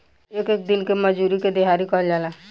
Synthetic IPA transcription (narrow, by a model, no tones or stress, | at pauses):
eːkeːk̚d̪ɪnkemɐd͡ʒuːɾiked̪eɦaːɾikəld͡ʒaːla